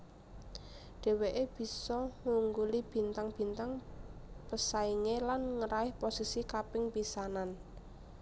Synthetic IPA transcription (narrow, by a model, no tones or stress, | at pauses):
ɖ̥ɛ̤weʔeb̥i̤sɔŋuŋɡulib̥i̤nt̪aŋb̥i̤nt̪aŋ | pəsaiŋelanŋəɾaɪhposisikapɪŋpisanan